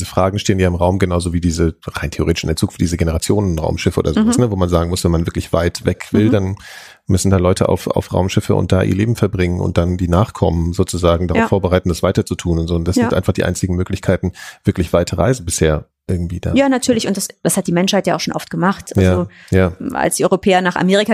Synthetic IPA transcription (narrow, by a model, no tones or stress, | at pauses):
zəfʁ̥aːɡŋ̩ʃteːənjaːɪmʁaʊmɡənaʊzoːviːdiːzəʁa̰ɪntʰeoʁeːtɪ̥ʃʔɪ̰ndɛɐt͡sukfd̥iːzəɡenəʁat͡sjoːnənʁa̰ʊmʃɪfəʔo̰ːdɐzoːvsnəvoːmanzaːɡŋ̩mʊsv̥ɛnmanvɪɐklɪçv̥a̰ɪtv̥ɛkv̥ɪldan | mʏsn̩daːlɔʏtʰəʔa̰ʊfa̰ʊfʁ̥a̰ʊmʃɪfə̰ʔʊ̰ntd̥a̰ːʔḭːɐleːbm̩fɛɐbʁɪŋənʊ̰nt̚d̥andiːnaːχkʰɔmənzoːt͡suzaːɡŋ̩daʁaffoːɐbəʁaɪtn̩dasv̥aɪtɐt͡sutʰuːnʊntz̥oːʊntd̥asz̥ɪnʔa̰ɪnfaχd̥iːʔa̰ɪnt͡sɪɡŋ̩møːklɪçkʰaɪtn̩v̥ɪɐklɪçv̥aɪtʰɐʁa̰ɪzn̩bɪsheːɐʔɪɐɡŋ̩tv̥iːd̥a̰jaːnatʰyːɐlɪçʊntd̥asd̥ashat̚d̥iːmɛnʃhaɪtjaʊxʃoːnʔɔftɡ̥əmaχtʔajazːo | jaːʔa̰lsd̥iːʔɔʏʁopʰɛːɐnaːχa̰meːʁɪka